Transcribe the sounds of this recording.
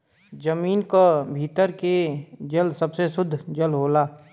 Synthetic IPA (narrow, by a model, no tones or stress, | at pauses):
d͡ʒəmiːnkabʱiːt̪əɾked͡ʒəlsɐbsesʊd̪ʱd͡ʒəlɦoːlaː